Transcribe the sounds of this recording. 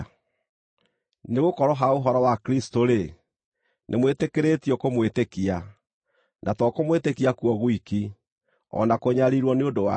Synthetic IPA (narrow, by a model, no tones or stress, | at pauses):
neɣokɔɾɔɦaoɦɔɾɔwakɾistoɾe | nʔemwetekeɾetiɔkomwetekia | nʔatɔkomwetekiakuɔɣwiki | ɔ̰nakoɲaɾiɾwɔneondowa̰